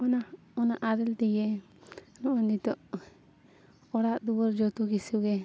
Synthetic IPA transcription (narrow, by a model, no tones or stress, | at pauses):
ɔna | ɔnaʔaɾɛld̪ɛɡɛ | nɔʔɔnit̪ɔʔ | ɔɽaʔd̪uwɔɾd͡ʒɔt̪ɔɡisuɡɛ